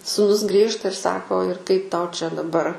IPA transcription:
suːˈnʊs ɡrʲiːʃtɐ ɪr ˈsɑːkoː ɪr kɐɪp ˈtɐʊ t͡ʃʲɛ dɐˈbɐr

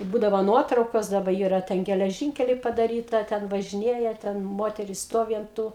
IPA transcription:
ɪ ˈbuːdɐʋoː ˈnuɔtrɐʊkoːs dɐˈbɐ ˈiːrɐ ˈtʲɛn ɡʲɛlʲɛˈʒʲiːŋʲkʲɛlʲɛɪ pɐdɐˈrʲiːtɐ ˈtʲɛn ʋɐʒʲɪˈnʲeːjɛ tʲɛn ˈmoːtʲɛrʲɪs ˈstoːʋʲɪ ɐnt ˈtuː

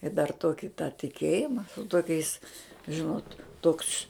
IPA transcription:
ɪ dɐr ˈtoːkʲɪ tɑː tʲɪˈkʲeːjɪmɐ toːˈkʲɛɪs ˈʒʲɪnoːt ˈtoːks

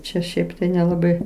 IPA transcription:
ˈt͡ʃʲɛ ˈʃʲɛɪp tɐɪ nʲɛlˠɐˈbɐɪ

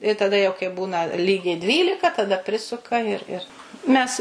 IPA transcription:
ɪ tɐˈdɐ jɛʊ kɐɪ ˈbuːnɐ ˈlʲiːɡʲɛɪ ˈdʲʋʲiːlʲɪkɐ tɐˈdɐ ˈpʲrʲɪsʊkɐ ɪr ɪr mʲɛs

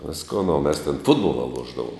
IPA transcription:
ˈʋʲɪskoːn oː mʲɛs tʲɛn ˈfʊdboːlˠɐ ˈlˠuɔʒdɐʋʊm

